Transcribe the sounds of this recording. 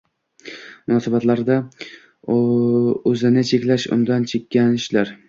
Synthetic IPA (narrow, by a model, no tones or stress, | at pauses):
mʊnɒsɪbɒt̪laɾd̪a | ɵzɪnɪt͡ʃʰekʲlaʃʊ̰nd̪ant͡ʃʰekʲːanɪʃlaɾ